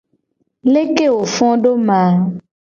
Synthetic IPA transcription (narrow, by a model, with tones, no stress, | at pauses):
le˦ke˦˨wo˨fɔ̃˦ɖo˦mã˨˦